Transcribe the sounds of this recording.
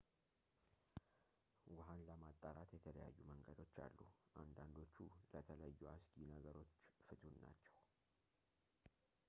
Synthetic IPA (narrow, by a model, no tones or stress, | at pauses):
wʊɦanləmat̪ʼːaɾat̪jɛt̪ʰələja̰jːuməŋɡəd̪o̞t͡ʃːa̰lːuʔand̪and̪o̞t͡ʃːulət̪ʰələjajːuasɡinəɡəɾo̞t͡ʃːfɨt̪ʰunna̰t͡ʃːɛw